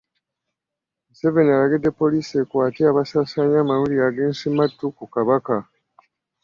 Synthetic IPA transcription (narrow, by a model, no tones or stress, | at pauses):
seve̞niaɾaɡedːepːo̞liːsekwaːtiaβasaːsaɲaːmaɾuliaːɡeːnsimatːukukaβaka